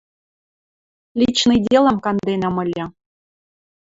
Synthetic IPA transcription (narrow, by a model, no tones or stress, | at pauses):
lʲit͡ɕnɨjdʲelˠə̆mkɑnd̪enɑmɤ̆lʲɤ